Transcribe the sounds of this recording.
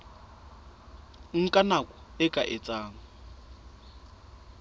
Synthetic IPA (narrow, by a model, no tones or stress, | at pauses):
ŋ̩kʼanakʼʊɪkʼaʔɪt͡sʼaːŋ̩